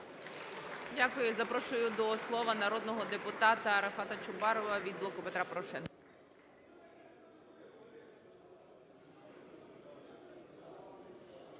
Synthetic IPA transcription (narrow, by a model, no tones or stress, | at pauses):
dʲakʊjʊzɐpɾɔʃʊjʊd̪ɔslˠɔʋɐnɐɾɔd̪nɔɦɔd̪epʊt̪ɑt̪ɐɾɐfɑt̪ɐt͡ʃʊbɑɾɔʋɐʋʲid̪blˠɔkʊpet̪ɾapɔɾɔʃɛnk